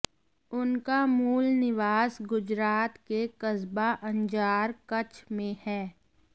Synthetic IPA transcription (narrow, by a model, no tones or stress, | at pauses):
ʊnkamuːlnɪʋaːsɡʊd͡ʒɾaːt̪kekɐzbaʔə̃nd͡ʒaːɾkɐt͡ʃmẽhɛː